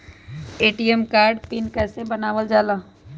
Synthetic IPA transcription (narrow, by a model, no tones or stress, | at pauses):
eːʈiemkaːɾɖpɪnkɛːsebənaːʋəld͡ʒaːlaː